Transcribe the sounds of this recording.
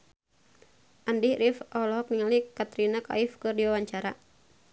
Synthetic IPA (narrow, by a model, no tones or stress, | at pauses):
ʔandiɾifɔlɔɔk̚niŋalikat̪ɾinaka̰ifkɨrdiwawaɲt͡ʃaɾa